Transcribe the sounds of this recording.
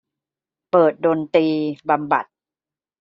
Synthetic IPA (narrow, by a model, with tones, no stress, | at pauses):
pɤː˨˩t̪̚doː˧nt̪iː˧ba˧mba̰˨˩t̪̚